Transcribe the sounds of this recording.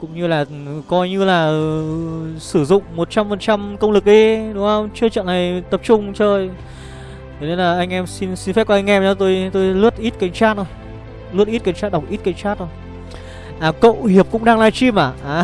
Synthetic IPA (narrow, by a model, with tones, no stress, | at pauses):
kʊ̰˧˥ŋ͡mɲɨ˧laː˨˩ | kɔ˧jɲɨ˧laː˨˩ | sɨ˧˩zʊ̰˧˨ŋ͡mmo˨˩t̚t͡ɕa˧mfə˨˩nt͡ɕa˧mkə˧wŋ͡mlɨ˨˩k̚ɗi˧ɗʊ˨˧˥ʔə˧wŋ͡mt͡ɕɨ˧t͡ɕə̰˧˨nːa˨˩jt̪ə˨˩p̚t͡ɕʊ˧ŋ͡mt͡ɕəː˧j | t̪e˨˧˩ne˧nlaː˨˩ʔa˧jŋ̟ʔɛ˧msi˧nsi˧nfɛ˦˥p̚kɔ˧ʔa˧ŋ̟ʔɛ˧ma˨˦t̪o˧jt̪o˧jlɨ˦˥ət̚ʔi˦˥t̚ka˧˩jŋ̟t͡ɕaː˦˥t̚o˧˩j | lɨ˦˥ət̚ʔi˦˥t̚ka˧˩ŋ̟t͡ɕaː˦˥ɗwk͡p̚ʔi˦˥t̚ka˧˩jŋ̟t͡ɕaː˦˥t̚o˧˩j | ʔaː˨˩kə̰˧˨whi˨˩əp̚kʊ̰˧˥ŋ͡mɗaː˧ŋlaː˧jt͡ɕi˧mʔaː˧˩ʔaː˧˩